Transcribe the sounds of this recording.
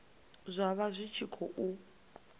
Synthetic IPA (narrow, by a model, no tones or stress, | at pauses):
zʷaβazʷit͡ʃʰikʰɔʔu